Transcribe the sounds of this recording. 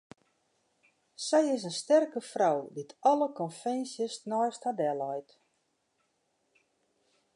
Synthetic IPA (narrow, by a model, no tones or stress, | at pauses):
sɛjɪs̬ənstɛrkəfrawditʰɑləkɔnfɛnsjəsnɔjsthadɛlɔjt